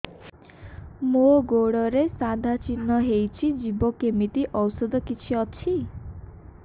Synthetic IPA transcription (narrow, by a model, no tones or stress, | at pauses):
moɡoɽɔɾesad̪ʱat͡ʃinɔɦejt͡ʃʰid͡ʒibɔkemit̪iʔɔwsɔd̪ɔkit͡ʃʰiɔt͡ʃʰi